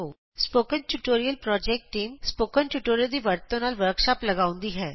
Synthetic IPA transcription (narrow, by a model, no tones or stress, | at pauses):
oː | spoːkə̃nʈuʈoːɾijəlpɾɔːd͡ʒɛːk̚ʈːiːmspoːkənʈuʈoːɾijəld̪iʋɐɾt̪õnaːlʋəɾkʃaːplɐɡaːʊ̃nd̪iɦɛː